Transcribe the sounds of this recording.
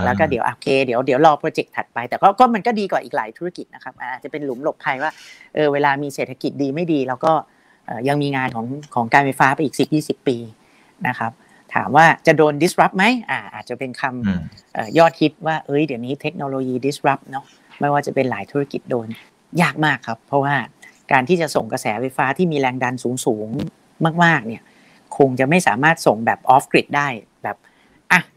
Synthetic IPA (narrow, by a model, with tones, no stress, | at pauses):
lɛː˦˥wkɔː˥˩di˨˩˦ʔa̰ː˨˩kʰeː˧di˨˩˦əwdi˨˩˦əwlɔː˧pʰɾoː˧t͡ɕe˨˩k̚t̪ʰa˨˩t̪̚pa˧jt̪ɛː˨˩kɔː˥˩kɔː˥˩ma˧nkɔː˥˩diː˧kɔː˨˩ʔiː˨˩kla̰ː˩˦jt̪ʰu˦˥ɾa˥˧ki˨˩t̪̚na˦˥kʰa˦˥p̚ʔaː˨˩ʔ̪̚ːt͡ɕa˨˩pe˧nlu˩˦mlo˨˩tpʰːa˧jwaː˥˩ʔɤː˧weː˧laː˧miː˧seː˨˩t̪ʰa˧ki˨˩t̪̚diː˧ma˥˩jdiː˧lɛː˦˥wkɔː˥˩ | ʔɤː˨˩ja˧ŋmiː˧ŋaː˧nkʰɔː˩˦ŋkʰɔː˩˦ŋkaː˧nfa˧jfaː˦˥pa˧jʔiː˨˩k̚si˨˩p̚jiː˥˩si˨˩pːiː˧ | na˦˥kʰa˦˥p̚ | t̪ʰa̰ː˩˦mwaː˥˩t͡ɕa˨˩doː˧ndi˨˦˥sɾa˦˥p̚ma˦˥jʔaː˨˩ʔa̰ː˨˩t̪̚t͡ɕa˨˩pe˧nkʰa˧mʔɤː˨˩jɔː˥˩t̪̚hʰi˦˥t̪̚waː˥˩ʔɤ˦˥jdi˩˦wniː˦˥t̪ʰe˦˥k̚noː˧loː˧jiː˧di˦˥sɾa˦˥p̚nɔ˦˥ | ma˥˩jwaː˥˩t͡ɕa˨˩pe˧nla̰ː˩˦jt̪ʰuː˦˥a˥˧˩ki˨˩t̪̚doː˧n | jaː˥˩k̚maː˥˩kʰːa˦˥pʰːɔ˦˥waː˥˩kaː˧nt̪ʰiː˥˩t͡ɕa˨˩so˨˩ŋkɾa˧sɛː˩˦fa˧jfaː˦˥t̪ʰiː˥˩miː˧ɾɛː˧ŋda˧nsuː˩˦ŋsuː˩˦ŋ | maː˥˩k̚maː˥˩k̚ni˥˩ɐ | kʰo˧ŋt͡ɕa˨˩ma˥˩jsaː˩˦maː˥˩t̪̚so˨˩ŋbɛː˨˩p̚ʔɔː˦˥f̚kɾi˨˩t̪̚daː˥˩jbɛː˨˩p̚ | ʔa˨˩